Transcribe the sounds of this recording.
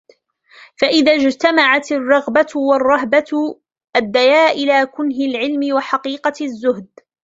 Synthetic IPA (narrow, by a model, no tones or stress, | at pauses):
faʔɪðad͡ʒt̪amaʕat̪ɪrˤːɑɣbawɑrˤːɑɦba | ʔad̪ːajaːʔɪlaːkʊnɦɪlʕɪlmɪwaħaɑqiːqɑzːʊɦd̪